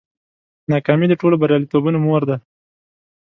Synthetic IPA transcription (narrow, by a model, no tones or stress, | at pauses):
nɑkɑmid̪əʈolobaɾjɑlit̪obunomoɾd̪a